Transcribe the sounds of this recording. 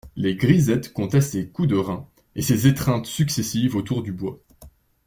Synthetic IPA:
leɡʁizɛt̪kɔ̃t̪ɛst̪ekud̪əʁɛ̃ | esezet̪χɛ̃t̪syksesivot̪uʁd̪ybwa

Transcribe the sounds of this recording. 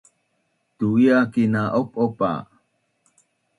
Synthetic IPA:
tuiakinaʔop̚opa̰

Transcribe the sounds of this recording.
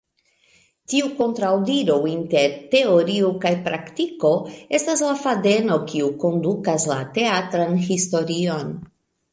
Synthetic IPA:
tiuko̞ntɾawdiɾowinte̞ɾte̞o̞ɾiukajpɾaktiko̞e̞staslafade̞no̞kiuko̞ndukasla̰te̞atɾanhisto̞ɾio̞n

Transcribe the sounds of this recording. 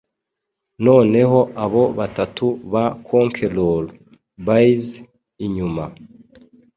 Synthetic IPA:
no̞ːne̞ɦo̞ʔaβo̞βatatuβakʰoːŋkʰe̞lol | baiz | iɲuma

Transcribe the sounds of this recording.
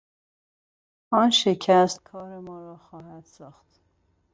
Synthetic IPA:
ɒːnʃecʰæst̪̚kʰɒːɾemɒːɾɒːxɒːhæd̪̥sɒːxt̪

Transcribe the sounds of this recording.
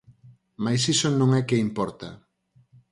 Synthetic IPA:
majsisonõŋɛkɪimpɔɾt̪a̰

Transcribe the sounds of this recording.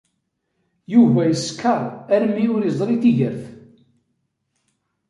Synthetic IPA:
juvæjəskːəɾˤæɾmːiʊɾizˤɾit̪iʝəɾθ

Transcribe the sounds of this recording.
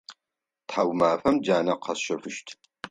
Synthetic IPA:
tħawmaːfɐmd͡ʒaːnɐqʰɐsʃɐfɨʃtʰ

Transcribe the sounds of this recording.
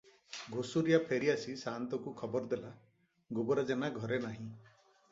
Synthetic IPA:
ɡʱosuɾijapʰeɾiasisant̪ɔkukʰɔbɔɾd̪ela | ɡubɔɾad͡ʒanaɡʱɔɾenaɦĩ

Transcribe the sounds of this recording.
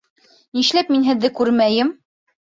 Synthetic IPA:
niʃlæpminɦɘ̆ðːɘkʉɾmæjɘm

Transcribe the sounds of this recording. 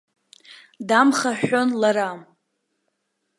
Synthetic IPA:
damχaħonlaɾam

